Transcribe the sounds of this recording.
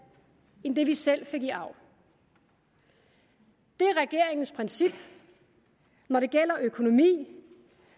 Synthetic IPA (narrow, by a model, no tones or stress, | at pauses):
end̥e̝ʋisel̰fe̝ɡ̥iʔɑ̈ʊ̰ | d̥e̝æɐʁɛɡ̥e̝ɐ̰eŋn̩spʰʁɛnsib̥ | nɒɾe̝ɡ̥el̰ɐʔøkʰo̝no̝mḭː